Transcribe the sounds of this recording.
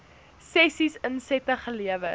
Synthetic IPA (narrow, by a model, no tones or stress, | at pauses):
sɛsisənsɛtəχəliəvə